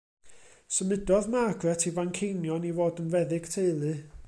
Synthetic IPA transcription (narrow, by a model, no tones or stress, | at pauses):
səmɪdɔðmaɡrɛtʰivankʰejnjɔnivoːdənvɛðɪɡ̥tʰeɨlˠɨ